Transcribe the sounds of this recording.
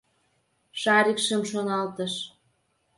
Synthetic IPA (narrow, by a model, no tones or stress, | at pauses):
ʃɑɾikʃə̆mʃonɑlt̪ə̆ʃ